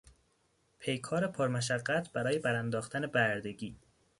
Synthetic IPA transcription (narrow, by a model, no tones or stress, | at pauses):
pʰe̞jkʰɒːɾe̞pʰoɾmæʃ̬æɢːæt̪ʰb̥æɾɒːje̞bæɾænd̪ɒːxt̪ʰæne̞bæɾd̪e̞ɡiː